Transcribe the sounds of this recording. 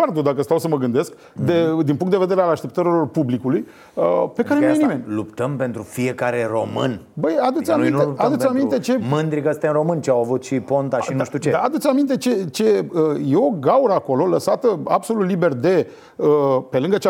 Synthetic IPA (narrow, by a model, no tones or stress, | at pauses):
ard̪ud̪akəst̪awsəməɡɨnd̪e̞sk | d̪ed̪inpuŋkt̪d̪eve̞d̪eɾealaʃt̪ep̚t̪əɾilo̞rpublikuluj | əpekaɾenojnimenʲlupt̪əmpe̞nt̪ɾufie̞kaɾe̞ɾo̞mɨ̰n | bəjad̪ut̪ʲaminetad̪utsʲamint̪e̞t͡ʃe̞mɨnd̪ɾikəst̪ʲainɾo̞mɨnʲt͡ʃeawavut̪ʃipo̞nt̪aʃinuʃt̪ut͡ʃed̪aːd̪ut̪sʲamint̪e̞t͡ʃe̞t͡ʃe̞əjeo̞ɡauɾəako̞lo̞ləsat̪əa̰bso̞lut̪libe̞rd̪e | əpe̞lɨŋɡət͡ʃ